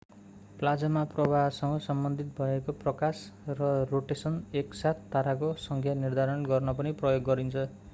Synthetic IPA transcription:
plad͡zʌmaprʌbʱasʌŋɡʌsʌmbʌnd̪ʱit̪̚bʱʌekoprʌkasrʌroʈesʌneksat̪ʰːaɾakosʌŋkʰjanird̪ʱaɾʌnɡʌrnʌpʌniprʌjoɡːʌɾint͡sʰʌ

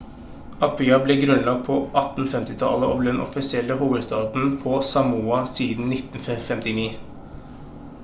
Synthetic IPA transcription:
ʔɑpʰyːɑblɛɡɾʉnlɑɡ̚pʰɔʔɑt̪n̩fɛmt̪ɪt̪ʰɑ̰ləʔɔ̰ʋd̪d̪ɛnʔɔ̰fɪsɪɛlːəɦuːʋəd̪st̪ɑːd̪n̩pʰɔsɑmuːɑsiːd̪n̩nɪt̪n̩ɛfɛmt̪ɪniː

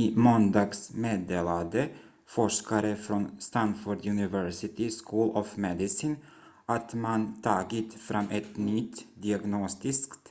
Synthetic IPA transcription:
imɔnd̪ɑːɡsmeːd̪eːlad̪ə | fɔʂkaɾəfɾɔnst̪anfʊɖjʉnɪvɛɾsɪt̪ɪskʰuːlɔfmɛd̪ɪsɪn | ʔat̪mant̪ʰɑːɡɪt̪fɾamːʔɛt̪nʏt̪d̪ɪaɡnɔst̪ɪskt̪

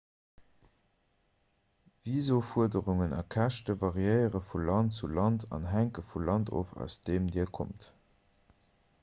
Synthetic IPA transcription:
viːzofuədəʁuŋənɑ̰kʰæʃtəvɑʁiəɪəʁəfulɑnt͡sulɑntʰɑ̰nɦæŋkəfulɑntʰo̰ːfæ̰ʊsd̥eːmdiːəɐkʰo̰mt

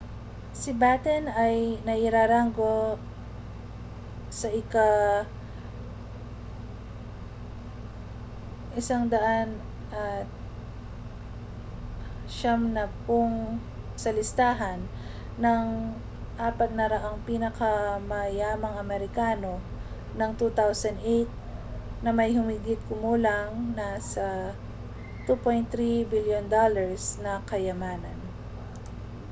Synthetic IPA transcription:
sɪbat̪ɛnɐjnɐʔɪɾaːɾaŋɡo̞ | sɐʔɪka | ʔɪsaŋd̪ɐʔan | ʔɐt̪̚ | ʃamnɐpoŋ | sɐlɪst̪aːɦɐnː | ɐŋ | ʔaːpɐt̪̚nɐɾɐʔaŋpinɐkɐmɐjaːmɐŋʔɐmɛɾɪkaːno̞ | nɐŋt̪ut̪awsɐnd̪ʔejt̪̚nɐmɐjhʊmɪɡɪt̪̚kʊmuːlɐŋnɐsɐ | t̪upojnt̪ɾibiljond̪olɐɹsnɐkɐjɐmaːnɐn

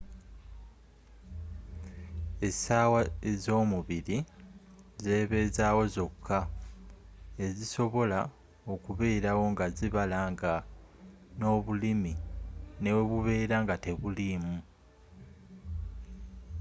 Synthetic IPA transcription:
e̞saːwaezo̞ːmuβiɾi | ze̞ːβe̞zaːwo̞zo̞kʰːa | e̞ziso̞βo̞la | o̞kuβe̞ːɾawo̞ŋɡaziβalaŋɡa | no̞ːβulimine̞we̞βuβe̞ːɾaŋɡate̞βulimu

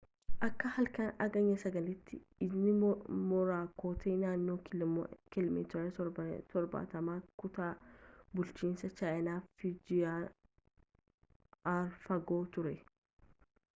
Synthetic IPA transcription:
ʔɐkːɐhɐlkɐnɐɡɐɲːɐsɐɡɐlɪt̪ʰːɪɪdnɪmɔɾaːkoːt̪eːnaːnːoːkɪlɔmḭːt̪ɔɾɐɔt̪ʰɔɾba̰ːt̪ɐmaːkʊt̪aːbʊlt͡ʃiːnsɐt͡ʃaːjɐnaːfɪd͡ʒɪaː | ɐɾfɐɡo̞ːt̪ʊɾɛ

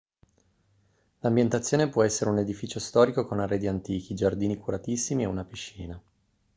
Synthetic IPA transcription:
lambjent̪at̪sːjoːnepwɔɛsːeɾeuned̪ifiːt͡ʃost̪ɔːɾikokonarːeːd̪iant̪iːk̟id͡ʒard̪iːnikuɾat̪isːimieunapiʃːiːna

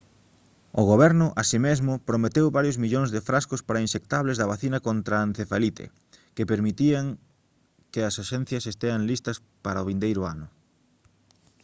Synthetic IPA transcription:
ʊɣoβ̞ɛɾnʊʔasimezmʊpɾomet̪ewβaɾjozmiʎoŋzðefɾaskʊspaɾɐinsekt̪aβlezðɐβaθinɐkont̪ɾaːnθefalit̪ḛ | kepeɾmit̪iaŋ | keɐsaʃɛn̟θjɐsest̪eaŋlist̪ɐs | paɾaoβind̪ejɾʊanʊ

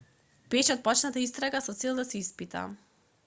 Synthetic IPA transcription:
b̥ɛʃɛɔt̪̚pɔt͡ʃnat̪aist̪ɾaɡasɔt̪sɛlˠd̪asɛispit̪a̰

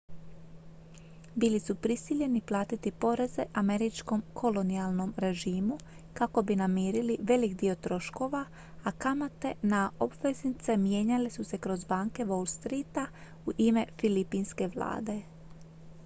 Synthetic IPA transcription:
bilisupɾisiʎe̞niplˠaːt̪it̪ipo̞ɾe̞ze̞ʔame̞ɾit͡ʃko̞mkʰo̞lo̞nialˠno̞mɾe̞ʒiːmu | kako̞binamiːɾiliʋe̞likd̪io̞t̪ɾo̞ʃko̞ːʋa | akamat̪e̞naʔo̞bʋe̞znit̪se̞mje̞ːɲalesuse̞kɾo̞zbaːŋke̞ʋo̞lˠst̪ɾiːt̪a | uʔime̞filipinske̞ʋlˠa̰ːd̪e̞

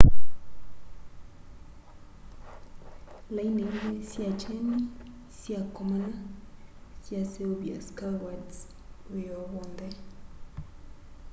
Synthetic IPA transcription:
lainendɛsjat͡ʃɛni | sjakɔmana | sjaseoβia̰skawadz | ejɔβɔnd̪ɛ

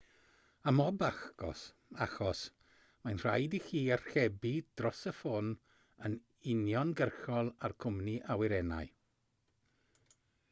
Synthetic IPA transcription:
amɔbaxɡ̥ɔ̰s | axɔs | manr̥a̰jdixiːar̥xɛbid̥rɔsəfon | ən | ɪnjɔnɡərxɔlˠarkʰʊmniʔawɪɾɛna̰j

